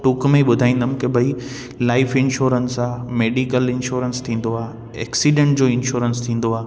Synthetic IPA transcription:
ʈukmẽɓʊd̪ʱaːĩːn̆d̪əmɪ̃kebʱɐi | laːɪfɪ̃nʃuːɾənsameːɖikəlɪ̃nʃuːɾənst̪ʰĩːn̆d̪oaː | ɛ̰ːksiɖẽɳʈ̚d͡ʑoːɪnʃuːɾənst̪ʰĩːn̆d̪oaː

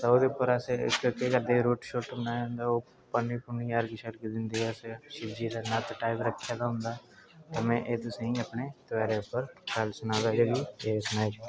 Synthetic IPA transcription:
t̪ːoːd̪eʊpːəɾəsekjõːkiɡəɾd̪eːɾuːʈʃoːʈbənaːjɦʊ̃nd̪aːoː | pənːiːpʊniːəɾɡɪʃəɾkid̪ɪnd̪iːɛseʃɪbd͡ʒiːd̪aːnat̪ʈaːɪʋɾəkʰːjaːd̪aːɦʊ̃nd̪aːt̪aːmɛ̃ːʔeːt̪ʊsẽĩəpneːt̪əʋɛːɾeːʊpːəɾkəlsʊnaːd̪aːd͡ʒoɡiːeːsʊnaːed͡ʒ

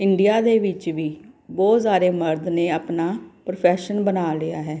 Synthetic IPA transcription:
ɪɳɖijaːd̪eːʋɪt͡ʃʋiːbɔːt̪saːɾeːməɾd̪neːaːpnaːpɾpʰɛːʃənbənaːlɪaːɦɛː

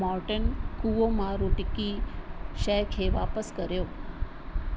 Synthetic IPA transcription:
ɔɾʈənkuʋomaɾuʈikiʃɛkʰeʋa̰pəskəɾjoː

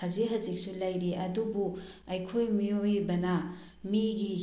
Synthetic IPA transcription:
ɐziɦɐzik̚sulɐjɾiʔɐdubu | ɐjkʰojmijojbɐnɐ | miɡi

